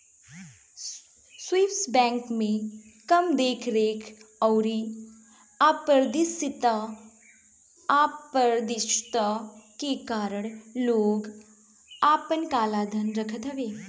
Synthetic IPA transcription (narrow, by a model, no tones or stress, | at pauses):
swifsbɛ̃ːŋkmẽkɐmd̪eːkʰɾeːkʰɔwɾi | aːpəɾd̪ɪsɪt̪a | apəɾd̪ɪʃt̪akekaːɾəɳ̃loːɡ | aːpənkaːlaːd̪ʱənɾɐkʰət̪ɦɐʋeː